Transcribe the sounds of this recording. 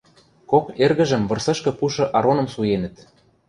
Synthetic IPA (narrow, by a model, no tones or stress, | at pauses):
kokerɣə̆ʒə̆mβɤ̆rsɤ̆ʃkɤ̆puʃɤ̆ʔɑɾonɤ̆msujenə̆t̪̚